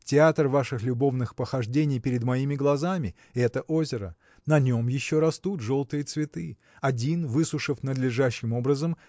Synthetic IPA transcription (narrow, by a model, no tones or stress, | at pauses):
tʲɪat̪rvaʂɨxlʲʊbo̞vnɨxpəxɐʐdʲenʲɪjpʲɪɾʲɪd̪mɐimʲɪɡlˠɐzamʲɪ | ɛt̪əʔo̞zʲɪɾə̰ | nɐnʲo̞mjɪɕːo̞ɾɐst̪ut̪ʐo̞lˠt̪ɨjət̪svʲɪt̪ɨ | ɐdʲinvɨsʊʂɨfnəd̪lʲɪʐaɕːɪmo̞bɾəzəm